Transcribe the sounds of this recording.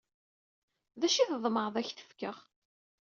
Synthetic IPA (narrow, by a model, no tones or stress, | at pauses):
ðæʃiθðˤməɾˤðˤæçθə̥fkəʁ